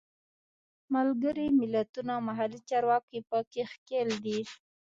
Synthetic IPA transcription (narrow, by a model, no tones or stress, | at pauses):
malɡəɾimɪlat̪unawmaɦalit͡ʃɑɾwɑkipəkexkeld̪i